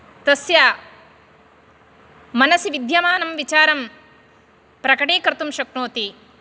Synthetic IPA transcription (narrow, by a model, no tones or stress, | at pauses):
t̪ɐsjɐ | mɐnɐsiʋid̪ʱjɐmaːnɐmʋit͡ʃaːɾɐm | pɾɐkɐʈeːkɾt̪umʃɐknoːt̪i